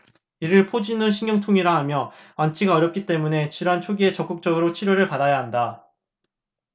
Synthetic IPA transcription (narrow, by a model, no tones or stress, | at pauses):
iɾɯɭpʰod͡ʑinɯnɕ̬ʰiŋjʌŋtʰoŋiɾaɦamjʌwant͡ɕʰiɡaʌɾjʌp̚k͈it͈e̞mune̞t͡ɕiɾant͡ɕʰoɡie̞t͡ɕʌk͈ɯk̚t͡ɕ͈ʌɡɯɾot͡ɕʰiɾjoɾɯɭpadajaɦanda